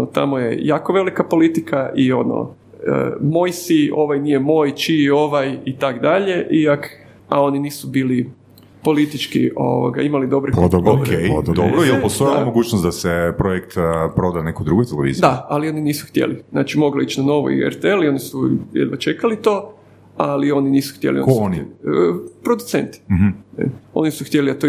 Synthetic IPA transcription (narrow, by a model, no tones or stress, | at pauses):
ot̪a̰mojḛjaːko̞ʋe̞likapo̞lit̪ikʰaʔio̞no̰ | ə̰mo̞jsio̞ʋajnije̞mo̞jt͡ʃio̞ʋajit̪akd̪aʎe̞ʔiak | a̰o̞niniːsubiːli | po̞lit̪it͡ʃkḭo̰ʋo̰ɡa̰imalid̪o̞bɾep̪okejd̪obɾojelpost̪ojmoɡuːt͡ʃnosd̪asepɾojekt̪pɾo̞d̪anekud̪ɾuɡojt̪eleʋḭzidd̪aalio̞niniːsu̥xt̪jḛlizna̰t͡ʃimo̞ɡloit͡ʃnano̞ʋo̰ḭḛɾt̪eelio̞nisujḛd̪ʋat͡ʃe̞kalit̪o̞ | alio̞niniːsu̥xt̪jelioni | pɾo̞d̪ut̪sḛnt̪i̥̰ | o̞̰nisuxt̪jeliat̪o